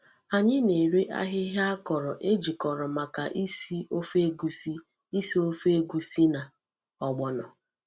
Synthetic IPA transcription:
a˨ɲɪ˦ne˨ɾe˦ʔa̰˦ɦɪ˦ɦa˦kɔ˨ɾɔ˨ʔe˦d͡ʒi˨kɔ˨ɾɔ˨ma˨ka˨ʔi˦si˦o˦fe˦ɡu˦si˦ | i˦si˦o˦fe˦e˦ɡu˦si˦na˨ | ɔ˨ɡ͡bɔ˨nɔ˨

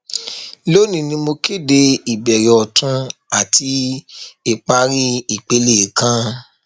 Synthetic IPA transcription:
lo˦nĩ˧˨nĩ˧mo˧ke˦˨de˧i˨bɛ˨ɾɔ˨ɔ˨tũ˧a˨ti˧˦e˦˨k͡pa˧ɾi˦i˨k͡pe˨˧le˦˨kã˦

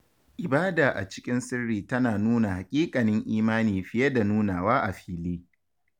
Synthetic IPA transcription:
ʔɪ˨baː˦daː˨ʔa̰˨t͡ʃɪ̥˦kʲʼɪ˦nsɪ˦rːiː˨tɐ˦naː˨nuː˦na˨ha˨kʲʼiː˦kʼɐ˨nɪ˦ŋʔiː˦maː˦niː˨ɸɪ˦je˦da˨nuː˦naː˨waː˦ʔa˨ɸiː˦liː˦

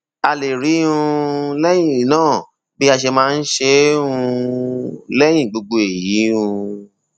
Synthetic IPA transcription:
a˧le˨ɾi˨˦ũ˧lɛ˦j̃ĩ˦˨nãː˦˨ | bi˦a˧ʃe˧mãː˦˧n̩˦ʃe˦ũ˧ | lɛ˦j̃ĩ˦˨ɡ͡bo˧ɡ͡bo˧e˨ji˨˦ũ˧

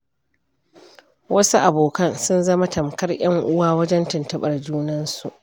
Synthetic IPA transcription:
wɐ˦su˦ʔa˨boː˨kɐ˦nsʊ˦nzɐ˦ma˦tɐ˨mkɐ˦rj̰ɐ˦ŋʔʊ˦waː˦wɐ˦d͡ʒɛ˦ntɪ˨ntɐ˦ɓɐ˨rd͡ʒuː˦nɐ˦nsu˨ʔ

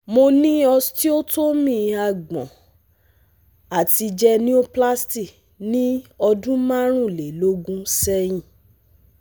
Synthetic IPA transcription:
mo˧nĩ˦ɔ˧sti˦o˦to˦mĩ˧a˧˨ɡ͡bɔ̰̃˨ | a˨ti˧d͡ʒɛ˧nĩ˦o˦pla˦sti˦˨ | nĩ˦ɔ˧dũ˦mã˦ɾ̃ũ˦˨le˨lo˦ɡũ˦sɛ˧j̃ĩ˦˨

